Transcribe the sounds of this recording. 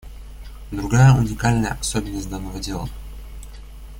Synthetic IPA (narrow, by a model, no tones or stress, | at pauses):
d̪ɾʊɡajəʊnʲɪkalʲnəjə̰ʔɐsobʲɪnːəsʲtʲd̪anːəvədʲelˠə